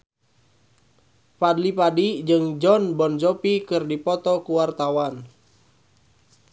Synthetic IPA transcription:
padlipadid͡ʒɨŋd͡ʒɔnbɔnd͡ʒɔpikɨrdipɔt̪ɔkuwart̪awan

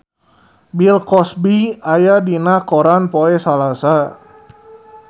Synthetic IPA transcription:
bilkɔsbiajadinakoɾanpoɛsalasa

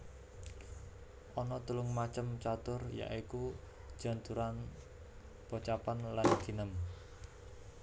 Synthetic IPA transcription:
ʔɔnɔt̪ulʊŋmat͡ʃəmt͡ʃat̪ʊrja̰ʔiku̥ | ʒ̥a̤nt̪uɾan | pot͡ʃapanland̪̥i̤nəm

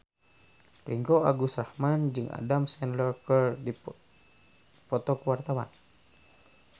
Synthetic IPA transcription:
pɾiŋkɔaɡusrahmand͡ʒɨŋʔa̰damsɛnlɔkərdi | pɔt̪ɔkuwart̪awa̰n

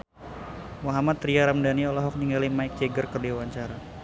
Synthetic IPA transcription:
mɔɦamat̪riaɾamdaniɔlɔɦɔk̚ɲiŋɡalimaɪk̚d͡ʒeɡərkərdewaɲt͡ʃaɾa

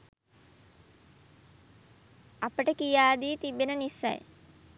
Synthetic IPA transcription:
ɐpəʈəkijaːd̪iːt̪ibenənisːa̰j

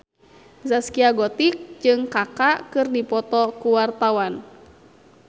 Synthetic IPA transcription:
zaskiaɡɔt̪ik̚d͡ʒɨŋkakakɨrnipɔt̪ɔkuwart̪awan

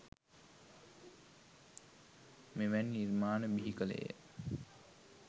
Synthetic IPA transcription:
meʋænːiɾmaːnəbiɦikəlḛjə̰

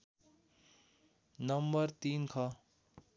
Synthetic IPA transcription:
nʌmbʌrt̪inkʰʌ

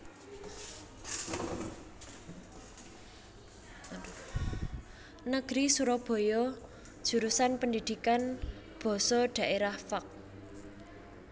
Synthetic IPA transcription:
nəɡ̥ɾisuɾɔb̥ɔ̤jɔ | d̥ʒ̥ṳɾusanpənd̪id̪̥i̤kan | b̥ɔ̤sɔɖ̥ä̤ʔeɾahfak̚

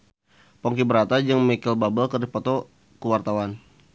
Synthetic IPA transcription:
pɔŋkibəɾat̪ad͡ʒəŋmikilbabəlkərdipɔt̪ɔ | kəwart̪awan

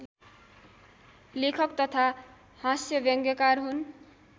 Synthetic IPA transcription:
lekʰʌkt̪ʌt̪ʰa | hãsjʌbʌŋɡjʌkarɦun

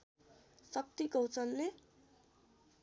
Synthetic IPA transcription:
sʌk̚t̪iɡʌwt͡sʌnle

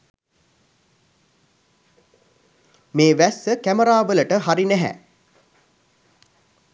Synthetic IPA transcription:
meːʋæsəkæməɾaːʋələʈəɦaɾinæɦæ̰

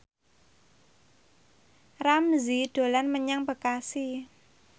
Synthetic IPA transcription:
ramziɖ̪̥o̤lanməɲaŋbəkasi

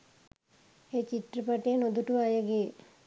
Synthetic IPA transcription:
eːt͡ʃit̪rəpaʈeːnod̪uʈuʋajəɡe

